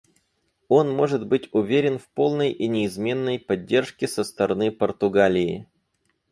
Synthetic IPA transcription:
o̞nmo̞ʐɨd̪bɨtʲʊvʲeɾʲɪnfpo̞lˠnəjʔinʲɪːzmʲe̞nːəjpɐdʲːe̞rʂkʲɪsəst̪əɾɐnɨpərt̪ʊɡalʲɪː

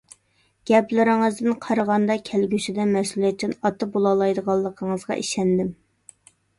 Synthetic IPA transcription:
ɡ̥ʲɛplɪɾɪŋəzd̪ɪnqʰɑɾəʁɑnd̪ɑkʲʰælɡʲyʃid̪ɛmɛsulˠijɛt̪t͡ʃ̪ːɪnɑt̪ʰːɑbolˠɑlˠɑjd̪əʁɑlˠːəqʰəɴəzʁɑ̰ʔiʃɛnd̪ɪm

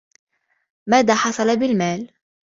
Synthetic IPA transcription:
maːðaːħɑsˤɑlabɪlmaːl

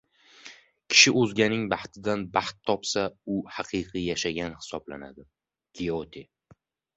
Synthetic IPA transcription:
kʲʰɪ̥ʃɪʔɵzɡʲanɪŋbɑht̪ʰɪd̪anbɑht̪ʰːɒpsaʊhaqʰɨqʰijaʃaɡʲanhɪ̥sɒbla̰na̰d̪ɪ | ɡ̥ʲeot̪ʰe

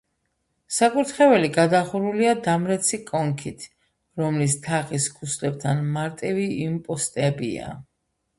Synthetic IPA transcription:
sakʼuɾt̪ʰχɛvɛliɡad̪aχuɾuliad̪amɾɛt̪sʰikʼɔŋkʰit̪ʰ | ɾɔmlist̪ʰaχiskʰuslɛb̚t̪ʰanmaɾt̪ʼiviimpʼɔst̪ʼɛbḭa̰

